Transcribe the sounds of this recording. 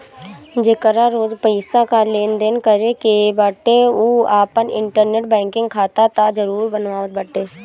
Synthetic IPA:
d͡ʒekəɾaɾoːd͡ʒpəɪsakaleːnd̪ɪnkəɾekebəʈeoːaːpənɪ̰̃ɳʈəɾneːʈ̚bɛ̃ːŋkɪ̃ŋɡkʰaːt̪at̪ad͡ʒəɾuːɾbənʋaːʋət̪̚bəʈeː

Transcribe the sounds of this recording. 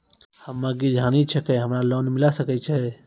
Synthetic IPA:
həmːãɡid͡ʒʱaːnit͡ʃʰəkɛɦəmɾaloːnmilasəkət͡ʃʰɛ

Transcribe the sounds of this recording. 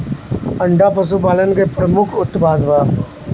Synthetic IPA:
ɐɳɖapəs̬upaːlənkepɾəmʊkʰʊt̪ːbaːd̪ʋaː

